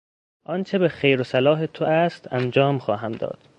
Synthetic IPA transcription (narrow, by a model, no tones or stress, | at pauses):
ʔɒnt͡ʃʰe̞bexejɾosælɒːɦet̪ʰoʔæst̪ʰænd͡ʒɒːmxɒːɦæmd̪ɒ̰ːd̪̥